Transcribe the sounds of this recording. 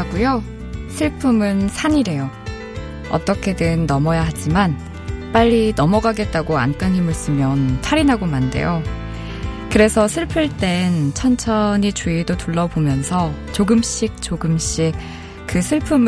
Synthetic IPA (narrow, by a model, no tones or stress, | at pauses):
aɡujo | sʰɯɭpʰɯmɯnsʰaɲiɾe̞jo | ʌ̰t͈ʌkʰe̞dɯnnʌmʌjaɦad͡ʑiman | p͈aʎːinʌmʌɡaɡe̞t̚t͈aɡoa̰nk͈ɯnɦimɯɭs͈ɯmjʌntʰaɾinɦaɡomande̞̰jo | kɯɾe̞sʰʌsʰɯɭpʰɯɭt͈e̞nt͡ɕʰʌnt͡ɕʰʌɲit͡ɕuidotuɭːʌbomjʌnsʰʌ | t͡ɕoɡɯmɕ͈ik̚t͡ɕoɡɯmɕ͈ik̚ | kɯsʰɯɭpʰɯm